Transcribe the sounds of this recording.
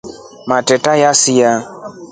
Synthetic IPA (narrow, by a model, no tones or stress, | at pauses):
matɛtajasija